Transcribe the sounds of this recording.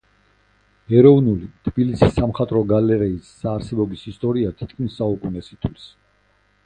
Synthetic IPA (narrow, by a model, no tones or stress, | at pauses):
ɛɾɔvnulit̪ʰbilisisːamχat̪ʼɾɔɡalɛɾɛisːaːɾsɛbɔɡisist̪ʼɔɾiat̪ʰit̪̚ʰkʰmisːaukʼunɛsit̪ʰwlis